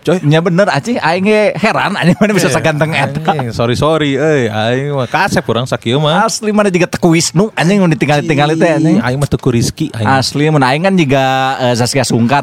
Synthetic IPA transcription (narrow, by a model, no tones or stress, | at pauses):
t͡ʃojɲabənərat͡ʃiaiŋɛheɾa̰na̰ɲəmanabisasaɡant̪əŋɛt̪asoɾisoɾiəaiŋmakasɛp̚kuɾaŋsakiəmaaslimanad͡ʒuɡat̪ə̥kuisnuaɲiŋundit̪iŋalit̪iŋalit̪ɛaɲiŋa̰iŋmat̪əkuɾiskiʔa̰iaslimənaiŋkand͡ʒuɡaəzasiasuŋkar